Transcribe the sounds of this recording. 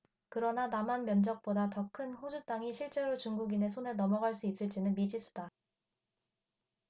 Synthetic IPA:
kɯɾʌnanamanmjʌnd͡ʑʌk̚p͈odatʌkʰɯnɸod͡ʑut͈aŋiɕʰiɭt͡ɕ͈e̞ɾot͡ɕuŋɡuɡine̞sʰone̞nʌmʌɡaɭs͈uis͈ɯɭt͡ɕ͈inɯnmid͡ʑis͈ʰu̥da

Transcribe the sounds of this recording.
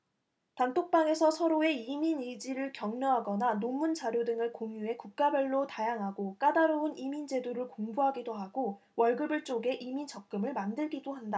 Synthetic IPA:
tantʰok̚p͈aŋe̞sʰʌsʰʌɾoe̞iminid͡ʑiɾɯɭkjʌŋnoɦaɡʌnanomːund͡ʑaɾjodɯŋɯɭkoŋjue̞kuk̚k͈abjʌɭːotajaŋɦaɡok͈adaɾounimind͡ʑe̞doɾɯɭkoŋbuɦaɡidoɦaɡo | wʌɭɡɯbɯɭt͡ɕ͈oɡe̞ʔimit͡ɕʌk̚k͈ɯmɯɭmandɯɭɡidoɦanda

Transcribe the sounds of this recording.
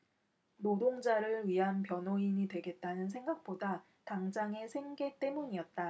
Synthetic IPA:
nodoŋd͡ʑaɾɯɭɥiɦanpjʌnɦoiɲidwe̞ɡe̞t̚t͈anɯnsʰe̞ŋɡak̚p͈oda | taŋd͡ʑaŋe̞sʰe̞ŋɡe̞t͈e̞muɲiʌt̚t͈a

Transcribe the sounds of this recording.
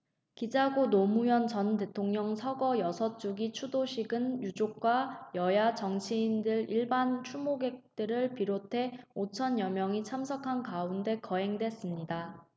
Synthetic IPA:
kid͡ʑaɡonomujʌnt͡ɕʌnte̞tʰoŋɲʌŋsʰʌɡʌjʌsʰʌt͡ɕ͈uɡit͡ɕʰudoɕʰiɡɯnjud͡ʑok̚k͈wajʌjat͡ɕʌŋt͡ɕʰiːndɯɾiɭbant͡ɕʰumoɡe̞k̚t͈ɯɾɯɭpiɾotʰe̞ot͡ɕʰʌnjʌmjʌŋit͡ɕʰamsʰʌkʰankaunde̞kʌe̞ŋdwe̞s͈ɯmɲida

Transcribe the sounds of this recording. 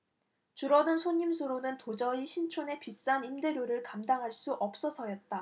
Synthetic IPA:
t͡ɕuɾʌdɯnsʰoɲimsʰoɾonɯntod͡ʑʌiɕʰint͡ɕʰone̞pis͈animdeɾjoɾɯɭkamdaŋɦaɭs͈uʔʌp̚s͈ʌsʰʌjʌt̚t͈a

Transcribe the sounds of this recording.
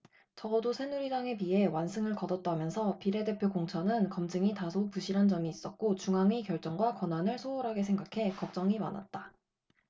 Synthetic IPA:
t͡ɕʌɡʌdosʰe̞nuɾid͡ʑaŋe̞pie̞wansʰɯŋɯɭkʌdʌt̚t͈amjʌnsʰʌpiɾe̞de̞pʰjokoŋt͡ɕʰʌnɯnkʌmd͡ʑɯŋitasʰopuɕʰiɾɦand͡ʑʌmiːs͈ʌt̚k͈ot͡ɕuŋaŋikjʌɭt͡ɕ͈ʌŋɡwakwʌnwanɯɭsʰoːɾɦaɡesʰe̞ŋɡakʰe̞kʌk̚t͡ɕ͈ʌŋima̰na̰t̚t͈a

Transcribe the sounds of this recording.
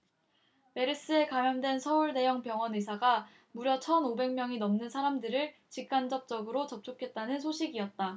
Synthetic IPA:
me̞ɾɯs͈ɯe̞kamjʌŋdwe̞nsʰʌuɭne̞jʌŋpjʌŋwʌnesʰaɡa | muɾjʌt͡ɕʰʌnobe̞ŋmjʌŋinʌmnɯnsʰaɾamdɯɾɯɭt͡ɕik̚k͈and͡ʑʌp̚t͡ɕ͈ʌɡɯɾot͡ɕʌp̚t͡ɕ͈ʰokʰe̞t̚t͈anɯns̬ʰoɕʰiɡiʌt̚t͈a

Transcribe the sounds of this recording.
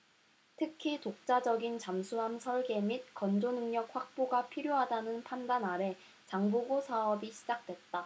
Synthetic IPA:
tʰɯkʰitok̚t͡ɕ͈ad͡ʑʌɡint͡ɕamsʰuɦamsʰʌɭɡe̞mit̚kʌnd͡ʑonɯŋɲʌk̚ɸwak̚p͈oɡapʰiɾjoɦadanɯnpʰandanaɾe̞ | t͡ɕaŋboɡosʰaʌbiɕʰid͡ʑak̚t͈we̞t̚t͈a

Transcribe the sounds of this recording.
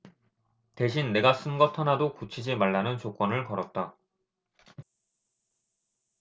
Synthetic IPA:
te̞ɕ̬ʰinːe̞ɡas͈ɯnɡʌtʰʌnadokut͡ɕʰid͡ʑimaɭːanɯnt͡ɕok͈ʌnɯɭkʌɾʌt̚t͈a

